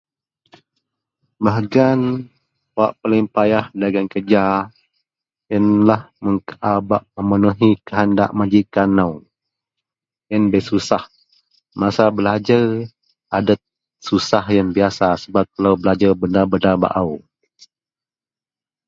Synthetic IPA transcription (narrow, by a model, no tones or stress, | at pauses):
baɦɡan | aʔpəlɪŋpajahdaɡankəd͡ʒa | jənlahməŋkaʔabaʔməmənuɦikəɦənda̰ʔmad͡ʒikanaw | jənbəsusah | masabəlad͡ʒar | adət̪̚ | susahjaŋbiasasəbap̚t̪əlawbəlad͡ʒarbənarbənarba̰ʔaw